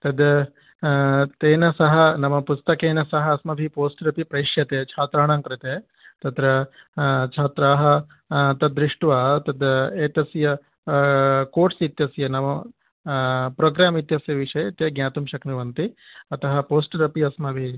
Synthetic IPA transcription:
t̪ɐd̪ɐ | t̪eːnɐsɐɦɐnɐmɐpust̪ɐkeːnɐsɐɦɐːsmɐbʱipoːsʈɾɐpipɾɐjʂjɐt̪eːt͡ʃʰaːt̪ɾaːɳaːŋkɾit̪eː | t̪ɐt̪ɾɐ | t͡ʃʰaːt̪ɾaːɦɐ̆ | t̪ɐd̪ɾiʂʈʋaːt̪ɐd̪eːt̪ɐsjɐ | koːɾʈsit̪jɐsjɐnɐmɐ | pɾoːɡɾaːmit̪jɐsjɐʋiʂɐjet̪eɡɲaːt̪umʃɐkniʋɐnt̪iɐt̪ɐɦɐpoːsʈɾɐpiɐsmɐbʱi

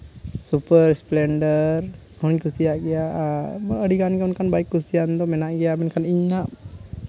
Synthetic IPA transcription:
supəɾsplɛnɖər | ɔɲkusijaʔɡijaʔəɖikankɔnkanbaikːusijant̪ɔmɛnaʔɡijaʔbɛnkaniɲaʔ

